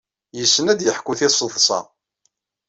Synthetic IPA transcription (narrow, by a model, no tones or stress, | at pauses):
jəsːənæd̪jəħkʷːʊθɪsˤəðˤsˤɑ̰